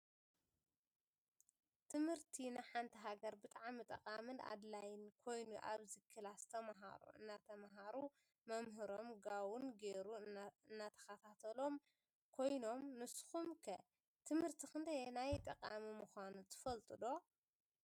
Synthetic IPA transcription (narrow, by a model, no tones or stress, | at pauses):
t̪ʰɨmhɨɾt̪ʰinɨħant̪ʰiɦaɡɐɾbɨt̪ʼaʕamɨt̪ʼɐkʼamɨna̰d̪lajɪnkʰo̞jnuʔa̰βzɨkʰːɨlast̪ʰɐmɦa̰ɾṵɨ̰nːat̪ʰɐmɦaɾu | mɐmɦɨɾo̞mɡawunɡeɾuɨnːat̪ʰɐ̥xɐt̪ʰat̪ʰɐlo̞m | kʰo̞jno̞mnɨsxumkʰɐ | t̪ʰɨmhɨɾt̪ʰixɨnd̪ɐjenajt̪ʼɐkʼamimuxʷanut̪ʰɨ̥fɐlt̪ʼɨd̪o̞